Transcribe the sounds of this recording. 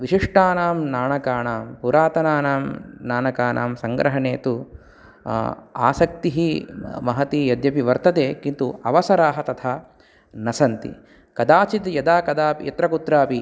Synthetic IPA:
ʋiʃiʂʈaːnaːmnaːɳɐkaːnaːmpuɾaːt̪ɐnaːnaːmnaːnɐkaːnʔa̰ːmsɐŋɡɾɐɦɐɳeːt̪u | a̰ːsɐk̚t̪iɦimɐɦɐt̪ijɐd̪jɐpiʋɐɾt̪ɐt̪eːkint̪uɐʋɐsɐɾaːɦɐt̪ɐt̪ʰaː | nɐsɐnt̪ḭ | kɐd̪aːt͡ʃit̪jɐd̪aːkɐd̪aːpḭjɐt̪ɾɐkut̪ɾaːpi

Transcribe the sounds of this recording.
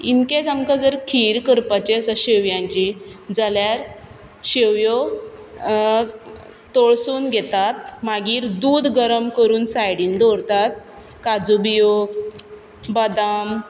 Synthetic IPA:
inkẽd͡zamkad͡zəɾkʰiːɾkəɾpat͡ɕesəɕeʋjãɲt͡ɕid͡zaljaɾ | ɕeʋjo | t̪oɭsuːnɡʱet̪at̪̚maɡiːɾd̪uːd̪ɡəɾəmkəɾuːnsajɽiːnd̪ɔɾt̪at̪̚ | kad͡zubijoɡ | bəd̪am

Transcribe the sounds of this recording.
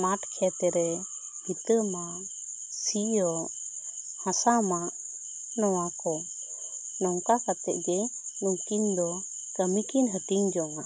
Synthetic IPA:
maʈkʰɛt̪ɛɾɛ | it̪əmaʔ | siɔʔ | hãsamaʔ | nɔwakɔ | nɔŋkakat̪ɛ̰ʔ̚ɡɛnuŋkind̪ɔ | kəmikinɦəʈiŋd͡ʒɔŋa

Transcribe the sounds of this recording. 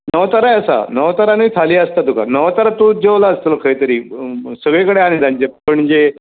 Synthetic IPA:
nəʋt̪əɾajəsa̰nəʋt̪əɾaniit̪ʰaliːəst̪at̪uka̰nəʋt̪əɾat̪ud͡ʑeʋlaəst̪ələkʰəjt̪əɾiːsəɡɭekəɽeaɽ̃id̪ãɲt͡ɕepəɳd͡ʑe

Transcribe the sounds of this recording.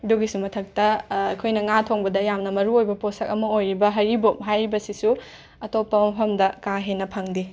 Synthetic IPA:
duɡisumɐtʰɐk̚tɐɐkʰojnɐŋatʰoŋbɐdɐjamnɐmɐɾuojbɐposɐk̚ɐmɐojɾibɐɦɐɾibok̚ɦajɾibɐsisu | ɐtopːɐmɐpʰɐmdɐkaɦenɐpʰɐŋdi

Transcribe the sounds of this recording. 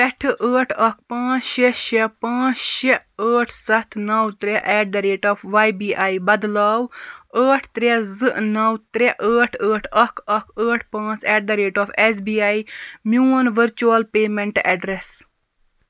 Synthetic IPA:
ɛʈʰʔəːʈʰɐkʰpãːt͡sʃeʃɛpãːt͡sʃɛəːʈʰsɐt̪ʰnɐwt̪ɾɛʔɛːɖ̚d̪ɐɾeːʈɔːfʰʋaːjbiːʔaːibɐd̪laːwəːʈʰt̪ɾɛzɨʔnɐwt̪ɾɛʔəːʈʰəːʈʰɐkʰɐkʰəːʈʰpãːt͡sɛːɖd̪ɐɾeːʈɔːfes̬biːaːimuːɐnʋəɾt͡ʃuɐlpeːmeɳʈɛɖɾes

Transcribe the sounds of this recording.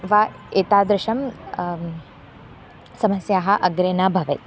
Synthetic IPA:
ʋa | eːt̪aːd̪ɾɪʃɐm | sɐmɐsjaːɦɐ̆ʔɐɡɾeːnaːbʱɐʋet̪

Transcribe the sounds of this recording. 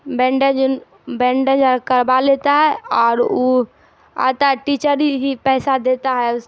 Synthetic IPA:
bɛ̃ːɳɖə̃d͡ʒ | bɛ̃ːɳɖə̃d͡ʒakəɾbaleːt̪aɦɛɔːɾu | a̰ːt̪aʈiːt͡ʃəɾiɦipɛːsad̪eːt̪aɦɛʊs

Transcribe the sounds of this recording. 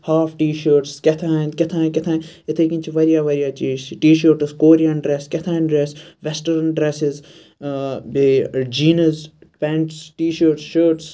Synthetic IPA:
haːfʈiːʃəːɾʈskʲɛt̪ʰãːnkʲɛt̪ʰãːnkɪt̪ʰãːn | ɪt̪ʰeːkĩnt͡ʃʰiʋɐɾijaːʋɐɾijaːt͡ʃiːzt͡ʃiʈiːʃəːɾʈskoːɾijanɖɾeskɛt̪ʰãːnɖɾesʋɛsʈəɾɐnɖɾesɪz | bed͡ʒiːnɐzpɛ̃ɳʈsʈiːʃəːɾʈsʃəːɾʈs

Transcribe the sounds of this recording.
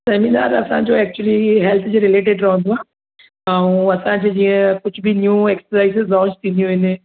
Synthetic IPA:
seːmina̰ːɾɐsãd͡ʒoːɛːk̚t͡ʃuəliɦɛlt̪ʰd͡ʒeɾɪleːʈeɖɾɐɦõnd̪oaː | ãũɐsãd͡ʑed͡ʒiːə̃kʊt͡ʃʰbʱinjuːeːksəɾaːɪsezlɔ̃ːɲt͡ʃt̪ĩnd̪ijũɦɪ̃ne

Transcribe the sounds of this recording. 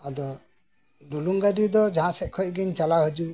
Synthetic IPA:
ad̪ɔ | ɖuluŋɡaɖid̪ɔd͡ʒãsɛʔ̚kʰɔʔ̚ɡiɲt͡ʃalaɦəd͡ʒu

